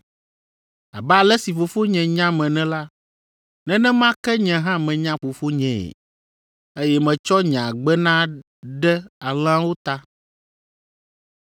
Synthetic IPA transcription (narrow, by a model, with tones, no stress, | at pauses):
a̰˨ba˦˨lɛ˦si˨fo˨fo˦ɲɛ̃˨ɲã˦mɛ̃˨nɛ̃˦la˦ | nɛ̃˦nɛ̃˦mã˦kɛ˦ɲɛ̃˨ɦã˦mɛ̃˨ɲã˦ɸo˨fo˦ɲɛ̃˨ɛ̰˨ | e˦jɛ˦mɛ̃˨t͡ʃɔ˦ɲã˨ɡ͡bɛ˦nã˦ | ɖɛ˦a˨l̃ã˦wo˦t̪a˦